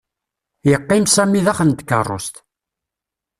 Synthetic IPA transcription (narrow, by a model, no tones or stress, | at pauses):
jəqːɪmsæmːiðæχənd̪kə̰rˤːo̰st̪